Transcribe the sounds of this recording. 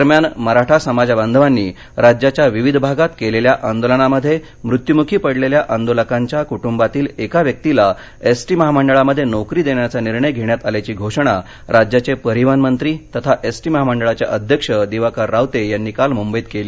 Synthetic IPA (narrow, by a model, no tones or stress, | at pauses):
əɾmjanməɾaʈʰasəmad͡zaband̪ʱʋanːiː | ɾad͡ʑjat͡ɕjaʋiʋid̪ʱbʱaɡat̪keleljaʔand̪olənaməd̪ʱːje | mɾut̪jumukʰiːpəɽleljaʔand̪oləkaɲt͡ɕjakuʈumbat̪iːlekaʋjək̚t̪ila | esʈiːməɦaməɳɖəɭaməd̪ʱːjenɔkɾiːd̪eɳjat͡saniɾɳəjɡʱeɳjat̪aljat͡ɕiːɡʱoʂəɳ̃a | ɾad͡ʑjat͡ɕepəɾiʋanmənt̪ɾiːt̪ət̪ʰaʔesʈiːməɦaməɳɖəɭat͡ɕja̰ʔəd̪ʱjəkʂəd̪iʋakaɾːawt̪ejanːiːkalmumbəjit̪keliː